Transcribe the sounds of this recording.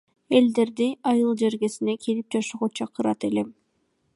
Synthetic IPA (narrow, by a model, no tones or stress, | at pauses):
e̞ld̪e̞ɾd̪iɑjɯlˠd͡ʒe̞ɾɡe̞sine̞kʰilip̚d͡ʒɑʃuʁot͡ʃʰɑqɯɾɑ̰t̪e̞le̞m